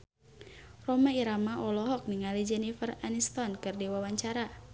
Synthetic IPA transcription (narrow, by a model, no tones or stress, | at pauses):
rɔmaiɾamaʔɔlɔɦɔk̚niŋalid͡ʒɛnifəranist̪ɔnkɨrdiwawaɲt͡ʃaɾa